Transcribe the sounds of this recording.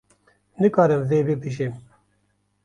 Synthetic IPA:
nɨkɑːɾɨmzeːbipiʃ̬eːm

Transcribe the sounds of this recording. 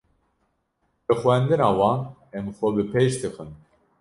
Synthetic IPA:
bɨxwɛnd̪ɨnɑːwɑːnɛmxʷɔbɨpʰeʃt̪ʰɨxɨn

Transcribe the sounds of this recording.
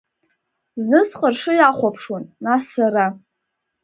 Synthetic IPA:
znɨsqʼərʂɨjaχʷapʰʂwanːasaɾa

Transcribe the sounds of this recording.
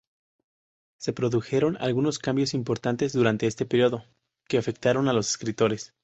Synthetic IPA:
se̞pɾo̞ðuxe̞ɾo̞na̰lɣuno̞skambjo̞simpo̞ɾt̪ant̪e̞zðuɾant̪e̞est̪e̞peɾjo̞ðo̞ | ke̞afe̞k̚t̪aɾo̞nalo̞se̞̥skɾit̪o̞ɾe̞s

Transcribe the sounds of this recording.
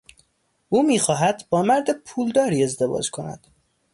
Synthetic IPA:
ʔuːmiːxɒːɦæd̪bɒːmæɾd̪epʰuːld̪ɒːɾiːe̞zd̪e̞vɒ̰ːd͡ʒkʰonæ̰d̪̥

